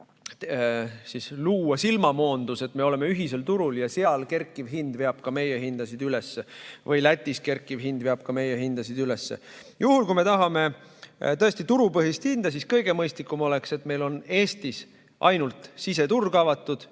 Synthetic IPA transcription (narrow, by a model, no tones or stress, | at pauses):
sisluːɑsilmɑmo̞ːnd̪̥use̞t̪ːˑme̞o̞le̞meyɦise̞lt̪uɾuljɑseɑlke̞rkˑːivɦind̪̥ve̞ɑb̥̚kɑme̞jeɦind̪̥ɑsid̪̥ylesːevɤjlæt̪ʲˑːiske̞rkːˑivɦind̪̥veɑb̥kɑme̞jeɦind̪̥ɑsid̪ylesːḛjuhulkujme̞t̪ɑɦɑme̞t̪ɤ̞est̪it̪uɾupɤɦist̪hind̪̥ɑsiskɤjɡe̞mɤjst̪likːˑumo̞le̞kse̞t̪me̞jlo̞ne̞ːst̪is | ʔɑ̰jnult̪ˑsise̞t̪urɡ̥ɑvɑt̪ːˑud̪̥